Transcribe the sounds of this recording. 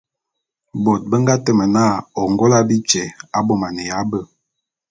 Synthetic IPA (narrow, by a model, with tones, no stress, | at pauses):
bɔ˨t̚bə˦ŋɡa˦tə˨mə˨na˦˨ɔ˨ŋɡɔ˦la˦bi˦t͡ʃɛ˨a˦bɔ˦˨ma˨nə˨ja˨˦bə˦